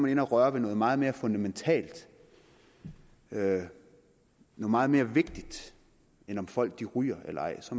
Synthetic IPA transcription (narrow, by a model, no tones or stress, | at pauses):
mæne̝næʁɶɐʋe̝nɔ̽ːðˠmɑ̈ːð̩ˠme̝ːɐfɔ̽nd̥æment͡sʰɛ̰ːld̥ | ø | nɔːð̩ˠmɑ̈ːð̩ˠme̝ːɐʋe̝ɡ̥d̥id̥ | enɒ̽mfɒ̽l̰ɡ̥̚d̥iʁy̰ːɐelɐɑ̈ɪ̰sɒ̽m